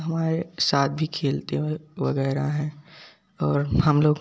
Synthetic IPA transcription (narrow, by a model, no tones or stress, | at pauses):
ɦɐmaːɾesaːt̪̚ʰbʱikʰeːlt̪eʋɐ̰ɡɛːɾaɦɛ̃ː | ɔːɾhɐmloːɡ